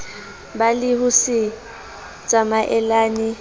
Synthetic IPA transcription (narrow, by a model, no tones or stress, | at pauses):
balɪhʊsɪ | t͡sʼamaʔɛlaːnɪ